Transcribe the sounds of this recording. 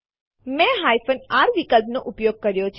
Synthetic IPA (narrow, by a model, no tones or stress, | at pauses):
mɛ̃ɦajfənaɾʋikəlpnoʔupjoɡ̚kəɾjot͡ʃʰ